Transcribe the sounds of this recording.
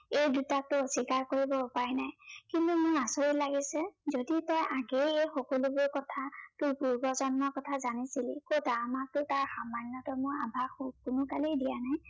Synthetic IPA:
ejdutatʊsikaɹkoɹibɔʊpaɹɛnajkintumʊɹasoɹilaɡisɛzoditɔjaɡejejxɔkɔlubʊɹkɔtʰatʊjpuɹbɔzɔnmɔkɔtʰazanisilikotaamak̚tʊtaɹxamanːɔtɔmʊabʱaxubkʊnʊkalejdijanaj

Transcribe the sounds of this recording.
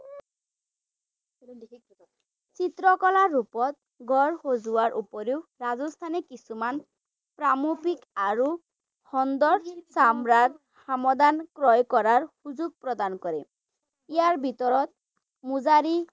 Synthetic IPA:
t͡sit̪ɾɔkɔlaɹupɔt̪̚ | ɡʱɔɹhozuwaɹʔupɔɾewɹazɔst̪ʰanɛkisuman | pɹamupikaɹu | hɔnd̪ɔɹsamɹad̪ | hamɔd̪ankɹɔjkɔɹaɹhuzuɡ̚pɹɔd̪ankɔɾɛ | ijaɹbʱit̪ɔɹɔt̪̚ | muzaɾi

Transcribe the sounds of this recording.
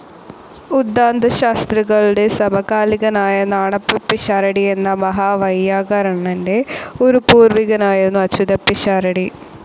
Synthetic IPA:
ud̪ːaːnd̪ʱɐɕaːst̪riɣɐɭɽe̞sɐmɐɣaːliɣɐnaːjɐnaːɳɐpːɐpːiɕaːɾɐɽie̞nːɐmɐɦaːʋɐjːaːɣɐɾɐɳɐnde̞oɾupuːrʋiɣɐnaːjiɾunːuɐt͡ɕːʋid̪ɐpːiɕaːɾɐɽi

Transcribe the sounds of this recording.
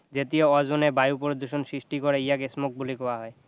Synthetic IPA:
d͡ʑet̪ioɔd͡ʑonebajupoɾd̪uʃonsɾisʈikɔɾeijakesmok̚bulikɔwaɦɔe

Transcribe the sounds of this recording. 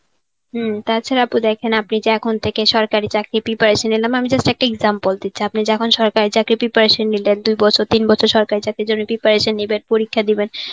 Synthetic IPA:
ɦt̪at͡ɕʰaɾapud̪ɛkʰenapnid͡ʑeɛkʰont̪ʰekeʃɔɾkaɾit͡ɕakɾipipaɾeʃenːilamamid͡ʑesʈaɛk̚ʈaeɡzampold̪it̪ːɕʰiapnid͡ʑɛkʰonʃɔɾkaɾit͡ɕakɾipipaɾeʃenːilend̪ujbɔt͡ɕʰoɾt̪inbɔt͡ɕʰoɾʃɔɾkaɾit͡ɕakɾid͡ʑonːopipaɾeʃenːibeɾpoɾikʰːad̪iben

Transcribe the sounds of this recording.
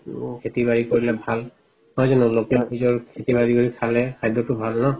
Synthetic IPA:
kʰetibaɹikoɹilɛbʱal | hɔjzɔnʊlokɛaɦizɔɹkʰetibaɹiɡoɹikʰalɛkʰajdɔtʊbʱalnɔ

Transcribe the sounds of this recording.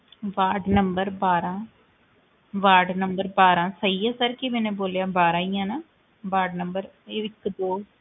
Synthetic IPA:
ʋaːɾɖnɐmbɐɾbaːɾãː | ʋaːɾɖnɐmbɐɾbaːɾãːsɐjːɐsaːɾkːiʋeneb̬oːljaːbaːɾaːaːnã | baːɾɖnɐmbɐɾ | ɪʋɪt̪ːɯpoː

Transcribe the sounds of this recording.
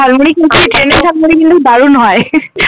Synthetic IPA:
almuɽikinkʰoeʈɾenesʰalmoɽikint̪ud̪aɾunɦɔe

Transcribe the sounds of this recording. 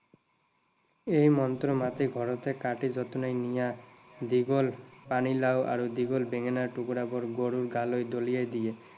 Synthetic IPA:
ejmɔnt̪ɾomat̪iɡʱɔɾot̪ekaʈid͡ʒɔt̪onejnija | d̪iɡolpanilawʔa̰ɾud̪iɡolbeŋenaɾʈukuɽabɔɾɡoɽuɾɡalojd̪olijajd̪ie

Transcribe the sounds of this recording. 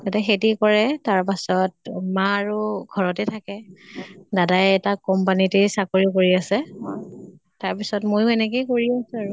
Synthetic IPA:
kataxetikɔɹɛtaɹpasɔt̚maːɹuɡʱɔɹɔtɛtʰakɛ | dadajɛtakɔmpanitisakoɹikoɹiasɛ | taɹpisɔtmojʊɛnɛkejkoɹiasɛaɹu

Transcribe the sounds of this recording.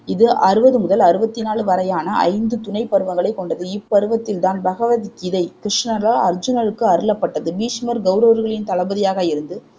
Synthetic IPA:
ɪðɯʔɐɾɯbɐðɯmʊðɐlɐɾɯbɐt̪ːɪnaːɭɯʋɐɾɐjaːnɐʔɐ̰ɪnd̪ɯt̪ʊnɐɪpːɐɾɯʋɐŋɡɐɭɐɪkːɔɳɖɐðɯɪpːɐɾɯʋɐt̪ːɪlt̪aːnbɐɣɐʋɐðikɪðɐɪkɾɪʂɳɐlɐɐɾd͡ʒɯnalɯkːɯɐɾɯlɐpːɐʈːɐðɯbiːʂmɐɾɡɐʊɾoːɐɾɣɐɭɪnt̪ɐɭɐbɐðɪjaːɣɐɪɾɯnd̪ɯ

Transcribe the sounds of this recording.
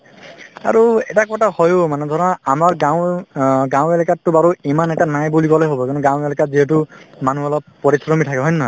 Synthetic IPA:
a̰ɹuɛtakɔtahɔjomanɛd̪ʱɔɹɔnaamaɹɡaw̃ɡãw̃elikatːubaɹoimanɛtanajbulikɔlɛɦobɔkanɔɡãw̃elɛkaziɦɛtumanuɔlɔpːɔɹisɹɔmitʰakɛɦɔjna

